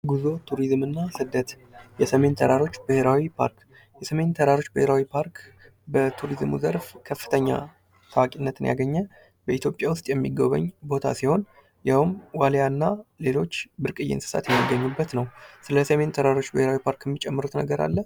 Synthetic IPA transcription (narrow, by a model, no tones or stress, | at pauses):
ɡuzo̞t̪ʰuɾizmɨnːasɨd̪ət̪ | jɛsəme̞nt̪ʰəɾaɾo̞t͡ʃːbɨheɾawipʰa̰ɾk | jɛsəme̞nt̪ʰəɾaɾo̞t͡ʃːbɨheɾawipʰaɾk | bət̪ʰuɾizmṵzəɾfkʰəfːɨ̥t̪ʰəɲːa̰ | t̪ʰawakʼinːət̪ɨnja̰ɡəɲːə | bəit̪ʰjo̞pʼjawʊst̪ʼjɛmːiɡəβə̰ɲːbo̞t̪ʰa̰siho̞n | jawmwaljanːale̞lo̞t͡ʃːbɨɾkʼɨjːɪ̰nsɨ̥sa̰t̪jɛmːiɡːəɲːubːət̪nəwsɨləsəme̞nt̪ʰəɾaɾo̞t͡ʃːbɨheɾawipʰaɾkjɛmːit͡ʃʼɛmːɨɾut̪nə̰ɡəɾa̰lːə